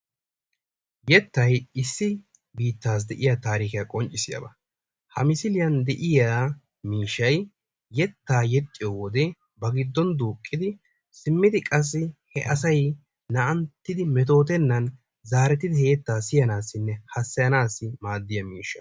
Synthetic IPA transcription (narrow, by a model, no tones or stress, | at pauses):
jɛt̪ːɐjɪsːɪ | biːt̪ːaːs̬d̪ɛʔɪjat̪aːɾiːkɪjɐkʼɔnt͡ʃʼːɪsɪjɐ̰bɐ | hɐmɪsɪlɪjɐnd̪ɛʔɪja | miːʃːɐj | jɛt̪ːaːjɛt̪ʼːɪjowɔd̪ɛ | bɐɡɪd̪ːɔnd̪uːkʼːɪd̪ɪ | sɪmːɪd̪ɪkʼɐs̬ːɪhɛ̰ʔɐsɐj | nɐʔɐnt̪ːɪd̪ɪmɛt̪̬o̞ːt̪ɛnːɐn | zaːɾɛt̪ɪd̪ɪheːt̪ːaːsɪjɐnaːsːɪnːɛhɐsːɛjɐnaːsːɪmaːd̪ːɪjɐmiːʃɐ